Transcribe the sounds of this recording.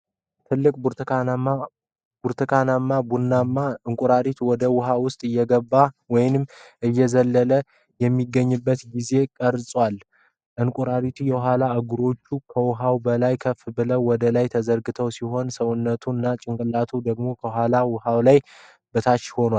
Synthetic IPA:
t̪ʰɨlːɨkʼbuɾaa | buɾt̪ʰɨkʰanamːabunːamːaɨŋkʼuɾaɾit̪wɔd̪əwʊɦawʊst̪ʼɨjːɛɡəbːawɔjɪnɨmːʔɨjːɛzəlːələ | jɛmːiɡːəɲːɨbːət̪ɡize̞kʼəɾsʼwal | ʔɨŋkʼuɾaɾit̪ʰujɛɦalaəɡuɾo̞t͡ʃːukʰəwʊɦawbəlajkʰəfbɨləwwɔd̪əlajt̪ʰəzəɾɡɨt̪ʰəwsiɦo̞nsəwʊnːət̪ʰuɨnːat͡ʃʼɪŋkʼɨlat̪ʰud̪əɡmo̞kʰəɦalawʊɦawlaj | bət̪ʰat͡ʃːho̞nwal

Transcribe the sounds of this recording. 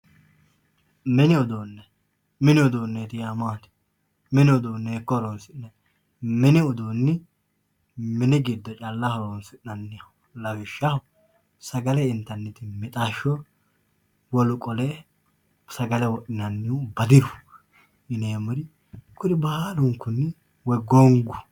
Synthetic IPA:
mɛnɪɔd̪oːnːɛ | mɪnɪɔd̪oːnːet̪ɪjamaːt̪ɪ̥ | mɛnɪɔd̪oːnːeːkːɔɾonsɪnnːɛ | mɛnɪɔd̪oːnːɪ | mɛnɪɡɪd̪ːɔt͡ʃʼɐlːɐhɔɾoːnsɪɐnːɪɐ | lɐwɪʃːɐhʊ | sɐɡɐlɛɪnt̪ːɐnːɪt̪ɪmɪt̪ʼaːʃɔ | wɔlʊkʼɔlɛ | sɐɡɐlɛwɔɗɪnɐnːɪʊbɐd̪ɪɾʊ | ʔɪneːmʊɾɪ | kʊnɪbɐhaːlʊŋkːʊnːɪ | wɔjɡɔŋɡʊ̥

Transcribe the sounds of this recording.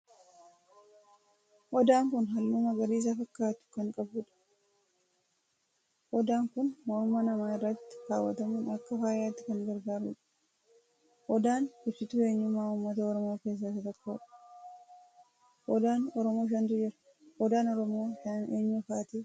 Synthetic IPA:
ʔɔd̪aːŋkʊnɦɐlːumɐɡɐɾiːs̬afɐkːaːt̪ʊ̥kɐŋkʼɐbuːᶑɐ̥ | ʔɔd̪aːŋkʊnmɔɾʊmːɐnɐmaːɪrːɐt̪ːɪ̥kaːwːɐt̪ɐmuːnɐkːɐfaːjaːt̪ːɪ̥kɐŋɡɐɾɡaːɾʊᶑɐ̥ | ʔɔd̪aːnɪsɪt̪ue̞ːɲːʊmaːʊmːɐt̪ɐɔɾɔmo̞ːke̞ːs̬ːaːt̪ɐt̪ɐkːoːᶑɐ̥ | ʔɔd̪aːnɔɾɔmoːʃ̬ɐnt̪ʊd͡ʒɪɾɐ̥ | hɔd̪aːnɔɾɔmo̞ːʃɐneːɲːʊfaːt̪iː

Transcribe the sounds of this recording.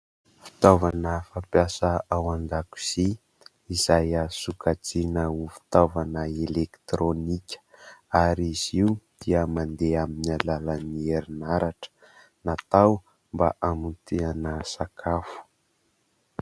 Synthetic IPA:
fi̥t̪avanəfampjasəawand̪aku̥z̥i | izajasukad͡zinəufi̥t̪avanəelekt̪ɾonikʲə̥aɾiz̥iud̪̥iəmand̪eaminalalanieɾinaɾaʈ͡ʂə̥ | nat̪aw | mba̰ʔamut̪ʰeanəsakʰafu̥

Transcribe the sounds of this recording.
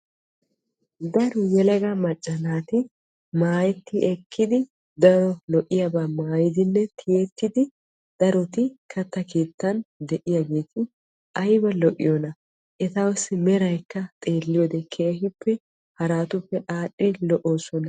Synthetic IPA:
d̪ɐɾʊjɛlɐɡɐmɐt͡ʃʼːɐnaːt̪ɪ | maːjɛt̪ːɪʔɛkʰːɪd̪ɪ | d̪ɐɾɔlɔʔɪjabaːmaːjɪd̪ɪnːɛt̪ʰɪjɛt̪ːɪd̪ɪ | d̪̥ɐɾɔt̪ɪkʰɐt̪ːɐkeːt̪ːɐnd̪ɛʔɪjaɡe̞ːt̪ɪ | ʔɐjbɐlɔʔʼɪ̰jɔnɐ | ʔɛt̪ɐwɐsɪmɛɾɐjkːɐt̪ʼe̞ːlːɪjɔd̪ɛkʰeːhɪpːɛ | hɐɾaːt̪ʊpːɛʔaːɗːɪlɔʔoːsɔnɐ

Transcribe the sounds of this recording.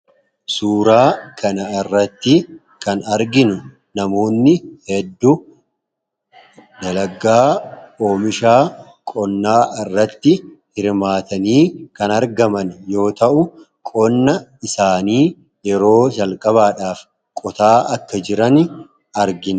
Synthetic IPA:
suːɾaːkʰɐnɐɪrːɐt̪ːɪ | kɐnɐɾɡɪnʊ | nɐmo̞ːnːɪhɛd̪ːʊ | d̪ɐlɐɡaːko̞ːmɪʃaː | kʼɔnːaːɪrːɐt̪ːɪhɪɾmaːt̪ɐniːkɐnɐɾɡɐmɐnjo̞ːt̪ɐʔʊ | kʼɔnːɐɪsaːniː | jɛɾo̞ːd͡ʒɐlkʼɐβaːᶑaːf | kʼɔt̪aːɐkːɐd͡ʒɪɾɐnɪ | ɐɾɡɪn

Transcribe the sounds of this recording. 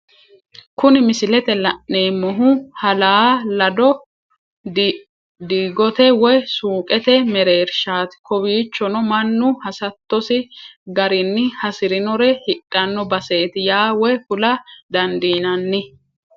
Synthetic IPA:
kʊnɪmɪsɪlɛt̪ɛlɐʔːeːmːɔɦʊhɐlaːlɐd̪ɔ | d̪iːɡɔt̪ɛwɔjsuːkʼɛt̪ɛmɛɾeːɾʃaːt̪ɪ̥kɔbiːt͡ʃːɔnɔmɐnːʊhɐsɐt̪ːɔsɪɡɐɾɪnːɪhɐsɪɾɪnɔɾɛhɪɗʼːɐnːɔbɐse̞ːt̪ɪjaːwɔjkʊlɐd̪ɐnd̪iːnɐnːɪ

